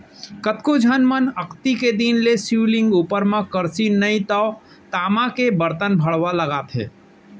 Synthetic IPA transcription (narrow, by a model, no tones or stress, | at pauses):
kət̪kod͡ʒʱənmənəkʰt̪iked̪iːnlesulɪ̃ŋɡuːpəɾmãkəɾsinəĩt̪ɔ | t̪aːmakebəɾt̪ənbʱəɽʋaləɡaːt̪ɦɛ̰ː